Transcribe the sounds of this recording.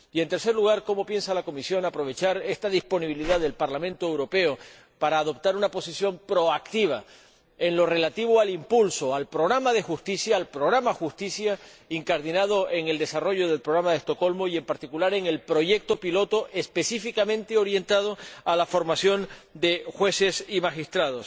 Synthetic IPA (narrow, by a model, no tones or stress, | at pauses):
ient̪e̞ɾse̞ɾluɣ̞aɾko̞mo̞pje̞nsalako̞misjo̞napɾo̞β̞e̞t͡ʃaɾe̞st̪aðispo̞niβiliðaðe̞lpaɾlamẽ̞nt̪oewɾo̞pe̞o | paɾaːðo̞p̚t̪aɾunapo̞sisjo̞mpɾo̞akt̪iβ̞a | e̞nlo̞re̞lat̪iβ̞oalimpulso̞alpɾo̞ɣ̞ɾamaðe̞xust̪isjaːlpɾo̞ɣ̞ɾamaxust̪isja | iŋkaɾðinað̞o̞ʔe̞ŋe̞ld̪e̞saro̞ʝo̞ðe̞lpɾo̞ɣɾamaðest̪o̞ko̞lmo̞ie̞mpaɾt̪ikulaɾe̞ŋe̞lpɾo̞ʝe̞k̚t̪o̞pilo̞t̪o̞ʔespe̞sifikamẽnt̪e̞o̞ɾje̞nt̪að̞o̞alafo̞ɾmasjo̞nd̪e̞xwe̞se̞simaxist̪ɾað̞o̞s